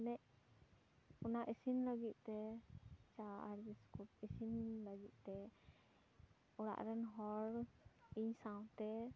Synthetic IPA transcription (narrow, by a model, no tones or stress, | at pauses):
nɛʔ | ɔnaʔisinləɡit̪̚ˀt̪ɛ | t͡ʃaa̰ɾbiskuʈisinləɡit̪̚ˀt̪ɛ | ɔɽa̰ʔɾɛnɦɔɾiɲsaw̃t̪ɛ